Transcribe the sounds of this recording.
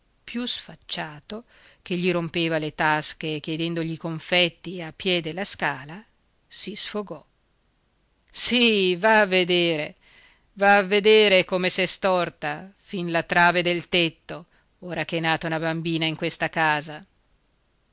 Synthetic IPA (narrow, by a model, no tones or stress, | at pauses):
pjusfat͡ʃːaːt̪o | k̟eʎːiɾompeːvalet̪askekjed̪ɛnd̪oʎikoɱfɛt̪ːiapːjɛd̪elaskaːla | sisfoɡɔ | sivaːvːed̪eːɾe | vaːvːed̪eːɾekomesɛst̪ɔrt̪afinlat̪ɾaːved̪elt̪et̪ːo | oːɾak̟ɛnaːt̪aunabambiːnaiŋkwest̪akaːza